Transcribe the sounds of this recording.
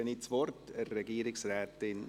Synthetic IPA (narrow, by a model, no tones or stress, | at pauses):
ənitsʋɔrtərːɛɡiːɾɪksrɛːtɪn